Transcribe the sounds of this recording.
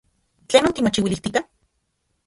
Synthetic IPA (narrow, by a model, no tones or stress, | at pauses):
t͡ɬeːnot̪imot͡ʃiwiliht̪ika